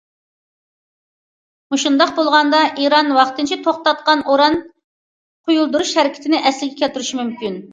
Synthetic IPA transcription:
muʃund̪ɑqbolˠʁɑnd̪ɑʔiɾɑnwɑχt̪ɨnt͡ʃʰit̪ʰoχt̪ɑt̪̚qɑnʔoɾɑn | qʰojulˠd̪uɾuʃhɛɾɪkʲɪ̥t̪ʰɪnɪʔɛslɪɡʲɛkʲʰɛt̪yɾyʃimymkʲyn

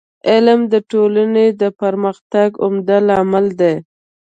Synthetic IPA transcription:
ɪlmd̪əʈolaned̪əpaɾməxt̪aɡʊmd̪alɑmɪld̪e

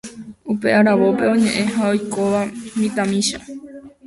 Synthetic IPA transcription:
upe̞ʔaɾaʋo̞pe̞õɲẽ̞ʔẽ̞ɦao̞jkoʋamĩt̪amĩʃa

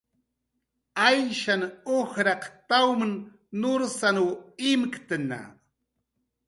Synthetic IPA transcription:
ajʃanohɾɑqt̪awmn | noɾsanuɪmkt̪əna̰

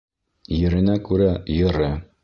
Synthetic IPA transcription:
jɘ̆ɾɘ̆nækʉɾæjɤ̆ɾɤ

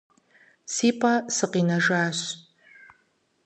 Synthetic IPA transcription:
siːpʰʼɐsɨqiːnɐʒaːɕ

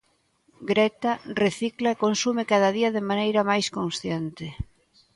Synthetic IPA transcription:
ɡɾɛt̪areθiklaekonsumekaðaðiaðemanejɾamajskonsθjent̪e

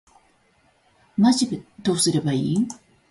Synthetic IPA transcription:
maʑibed̪oːsɨɾebaḭː

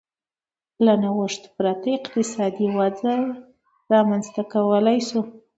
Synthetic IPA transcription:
lanawəʂt̪pɾat̪əɪqt̪ɪsɑd̪iwad͡zaj | ɾɑmanzt̪akawəlajsu

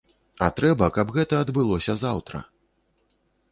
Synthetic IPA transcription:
ɐ̰t̪ɾɛbɐkɐbɣɛt̪ɐːd̪bɨlˠɔsʲɐzawt̪ɾɐ̰

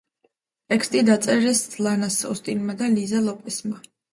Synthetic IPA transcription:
t̪ʼɛkʰst̪ʼid̪at̪sʼɛɾɛslˠanasɔst̪ʼinmad̪alizalˠɔpʼɛsma

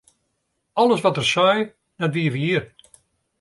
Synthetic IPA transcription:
ɔlˠəsʋɔtərsɔj | dɔtʋiəʋiiər

